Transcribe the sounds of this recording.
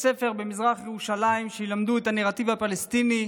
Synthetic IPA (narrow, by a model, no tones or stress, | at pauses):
se̞fe̞ʁbemizʁaχjeʁuʃalaimʃejilamd̪uet̪aneʁat̪ivhapalest̪ini